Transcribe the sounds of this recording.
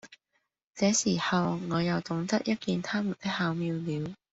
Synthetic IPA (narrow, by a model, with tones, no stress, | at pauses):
t͡sɛː˨˥siː˨˩hɐ˨wŋɔː˨˧jɐ˨˩wt̪ʊ˨˥ŋt̪ɐ˥k̚jɐ˥t̚kiː˧nt̪ʰaː˥mu˨˩nt̪ɪ˥k̚haː˨˥wmiː˧wliː˨˧w